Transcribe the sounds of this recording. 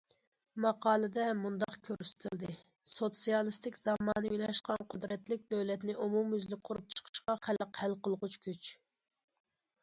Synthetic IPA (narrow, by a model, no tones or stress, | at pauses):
mɑqɑːlˠɨd̪ɛmund̪ɑqkʲʰøɾyst̪ʰɪld̪ɪ | sot̪sijɑlˠɨst̪ɪkʲz̥ɑmɑːnɨjilɑʃqɑnqʰʊd̪ɾɛt̪lɪk̚ʲd̪øwlɛt̪nɪʔumumyzlɪk̚ʲqʰʊɾup̚t͡ʃʰə̥qʰə̥ʃqɑχælqhælqəlˠʁʊt͡ʃkʲʰyt͡ʃ